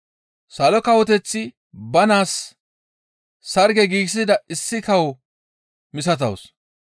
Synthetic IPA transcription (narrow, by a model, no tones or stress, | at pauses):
sɐlɔkɐwɔt̪ɛt͡sːɪ | bɐnaːs | ɐɾɡɛɡiːɡs̬ɪd̪ɐɪsːɪkɐw | mɪsɐt̪̬ɐ̰ws